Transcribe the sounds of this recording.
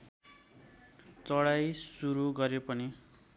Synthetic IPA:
t͡sʌɽajsuɾuɡʌɾepʌni

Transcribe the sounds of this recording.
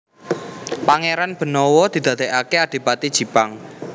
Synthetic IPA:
paŋeɾanb̥ə̤nɔwɔd̪̥i̤d̪̥ä̤d̪̥e̤ʔakead̪̥e̤pat̪id̥ʒ̥i̤paŋ

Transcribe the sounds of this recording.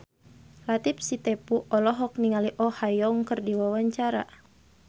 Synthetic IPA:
lat̪ip̚sit̪ɛpuʔɔlɔɦɔk̚niŋaliʔɔhajɔŋkɨrdiwawaɲt͡ʃaɾa̰

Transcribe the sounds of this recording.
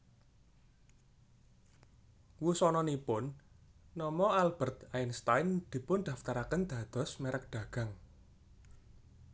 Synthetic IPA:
wusɔnɔnipʊnː | ɔmɔalb̥ə̤rt̪aɪnst̪ajnd̪̥i̤pʊnd̪̥a̤ft̪aɾakənd̪̥ä̤d̪̥ɔ̤smeɾʔək̚ɖ̪̥a̤ɡ̥a̤ŋ

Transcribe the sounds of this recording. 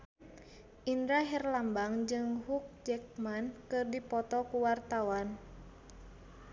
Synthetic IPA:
ʔindɾaɦɛrlambaŋd͡ʒɨŋɦuk̚d͡ʒɛk̚mankɨrdipɔt̪ɔkuwart̪awan

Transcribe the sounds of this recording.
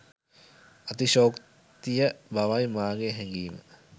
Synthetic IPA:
ɐt̪iʃoːk | t̪ijəbaʋajmaːɡeɦɛŋɡiːmə̰

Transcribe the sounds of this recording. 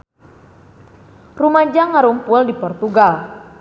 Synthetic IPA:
rumad͡ʒaŋːaɾumpuldipɔrt̪uɡal

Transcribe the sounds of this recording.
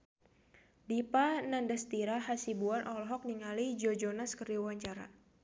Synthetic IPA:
dipanandast̪iɾaɦasibuanʔɔlɦɔk̚niŋalid͡ʒɔd͡ʒɔnaskərdiwaɲt͡ʃaɾa̰

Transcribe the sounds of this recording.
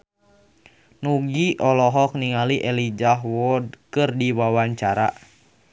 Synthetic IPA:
nuɡiʔɔlɔɦɔk̚niŋaliʔɛlid͡ʒaɦwɔd̚kɨrdiwawaɲt͡ʃaɾa̰

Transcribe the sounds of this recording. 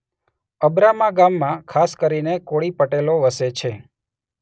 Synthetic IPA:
əbɾamaɡamːãkʰaskəɾinekoɭipəʈeloʋəset͡ʃʰe

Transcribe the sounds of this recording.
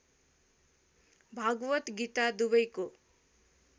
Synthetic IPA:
bʱaɡʋət̪ɡit̪ad̪ubəjko

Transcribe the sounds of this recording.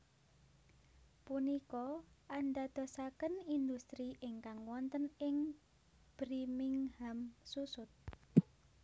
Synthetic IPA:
punikɔanɖad̪̥o̤sakənind̪ust̪ɾiʔɪŋkaŋwɔnt̪ənɪŋ | b̥ɾimɪŋhamsusʊt̪̚

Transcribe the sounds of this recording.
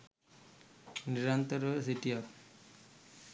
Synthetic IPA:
niɾant̪əɾsiʈiap

